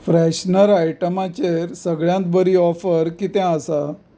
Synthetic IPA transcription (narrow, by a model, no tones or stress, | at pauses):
fɾɛɕnəɾajʈəmat͡ɕeɾsəɡɭjãnt̪bəɾiːɔfəɾkit̪ɛ̃əsa